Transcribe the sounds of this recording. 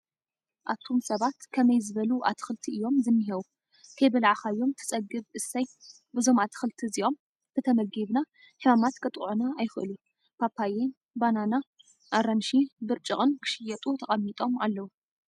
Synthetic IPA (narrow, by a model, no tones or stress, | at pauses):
ʔaβt̪ʰo̞msɐβat̪kʰɐmɐjzɨβɐluʔa̰t̪ʰɨ̥xɨlt̪ʰiʔɨjːo̞mzɨmːiɦɐwu | t̪ʰejbɐlʕaxajːo̞mt̪ʰɨ̥t͡sʼɐɡɨβʔɨsaj | bɨzo̞mat̪ʰɨ̥xɨlt̪ʰizio̞m | t̪ʰɨt̪ʰɐmɐɡiβna | ħimamat̪kʰɨt̪ʼʕunaːjxɨʔɨ̰lu | pʰapʰːajen | banana | ʔaɾɐnʃibɨɾt͡ʃʼɨχʼɨnkʰɨ̥ʃɪjɐt̪ʼut̪ʰɐχʼɐmːit̪ʼo̞malːɐwu